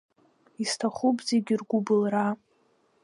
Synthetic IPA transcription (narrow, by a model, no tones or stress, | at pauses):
istʰaχupzeɡʲirɡʷʊbɨlra